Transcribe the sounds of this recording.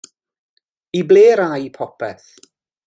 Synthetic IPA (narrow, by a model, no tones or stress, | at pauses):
ibleːɾajpʰɔpʰɛθ